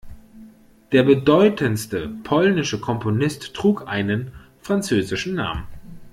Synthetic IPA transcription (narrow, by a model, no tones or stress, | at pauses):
d̥eːɐbədɔʏtʰənstəpʰɔlnɪʃəkʰɔmponɪstːʁ̥uːkʔaɪnən | fʁ̥ant͡søːzɪʃn̩na̰ːmən